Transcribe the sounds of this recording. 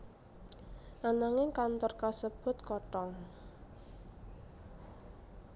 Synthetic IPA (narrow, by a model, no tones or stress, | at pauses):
ʔanaŋɪŋkant̪ɔrkasəb̥ʊ̤t̪kɔʈɔŋ